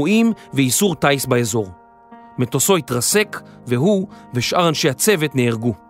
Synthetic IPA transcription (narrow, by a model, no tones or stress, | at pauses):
uʔimveisuʁtajsbaezo̞ʁ | metoso̞itʁase̞kveɦuveʃʔaʁanʃe̞hat͡se̞vetneːʁɡu